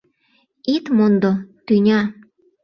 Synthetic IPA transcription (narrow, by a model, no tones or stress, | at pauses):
it̪mond̪ot̪ynʲɑ